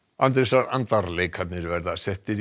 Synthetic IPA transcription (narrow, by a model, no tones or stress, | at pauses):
ant̪ɾesaɾant̪aɾlejkhat̪nɪɾvɛɾðasɛht̪ɪɾ